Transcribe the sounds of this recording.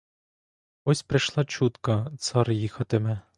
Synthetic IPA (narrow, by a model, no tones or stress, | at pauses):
ɔsʲpɾeʃlˠɑt͡ɕut̪kɐt̪sɑrjixɐt̪ɘmɘ